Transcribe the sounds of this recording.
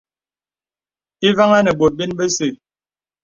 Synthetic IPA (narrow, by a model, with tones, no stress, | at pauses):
i˦va˦ŋa˦nə˨bo˨t̚bi˦nbe˦se˨